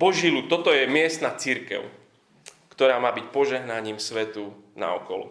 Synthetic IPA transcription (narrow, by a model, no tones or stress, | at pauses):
bɔʒiːluːt̪ːɔt̪ɔjɛmɪɛst̪nat͡siɾkɛ̰ʊ | kt̪ɔɾaːmaːbicpɔʒɛɦnaɲiːmsʋɛt̪u | na̰ɔ̰kɔlɔ̰